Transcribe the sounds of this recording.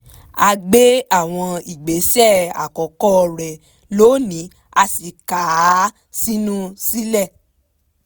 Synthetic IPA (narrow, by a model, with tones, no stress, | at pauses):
a˧ɡ͡be˦a˦˨w̃ɔ̃˧i˨ɡ͡be˨˦sɛ˦˨a̰˨kɔ˨˦kɔ˦˧ɾɛ˨ | loː˨˦nĩ˨˦ | a˧si˨ka˨˦ | si˦nũ˦si˦lɛ˦˨